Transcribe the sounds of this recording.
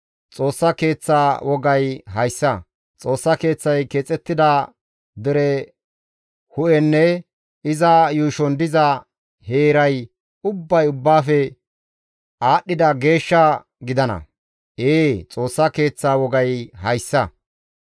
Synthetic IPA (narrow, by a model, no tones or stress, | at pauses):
t͡sʼo̞ːsːɐke̞ːt͡sːaːwɔɡɐjɦɐjsːɐ | t͡sʼo̞ːsːɐke̞ːt͡sːɐjkeːt͡sʼɛt̪ːɪd̪ɐ | d̪ɛɾɛ | hʊʔɛnːɛ | ɪzɐjuːʃɔnd̪ɪzɐ | heːɾɐj | ʊbːɐjʊbːaːfɛ | aːɗːɪd̪ɐɡe̞ːʃːɐ | ɡɪd̪ɐnɐ̰ | eːt͡sʼo̞ːsːɐke̞ːt͡sːaːwɔɡɐjɦɐjsːɐ